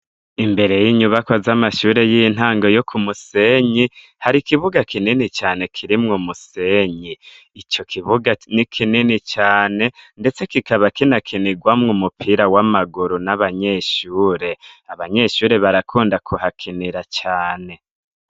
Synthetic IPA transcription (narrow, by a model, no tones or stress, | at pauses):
imbe̞ɾe̞jiɲuβakwazamaʃuːɾe̞jin̥aːŋɡo̞jo̞kʰumuse̞ɲi | haɾikiβuɡakʰininit͡ʃaːne̞kʰiɾimŋumuseɲiː | t͡ʃo̞kʰiβuɡanikʰininit͡ʃaːne̞nde̞t͡se̞kikaβakinakʰiniɡwamŋumupʰiɾawamaɡuɾunaβaɲe̞ʃuːɾe̞aβaɲe̞ʃuːɾe̞βaɾakʰuːndakʰuhakʰiniɾat͡ʃaːne̞